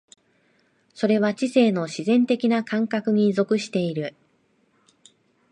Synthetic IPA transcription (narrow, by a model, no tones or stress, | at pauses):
so̞ɾe̞βat͡ɕise̞ːno̞ɕizẽ̞nt̪e̞kʲinakãŋkakɯ̟ɲ̟izo̞kɯ̟ɕi̥t̪e̞iɾɯ̟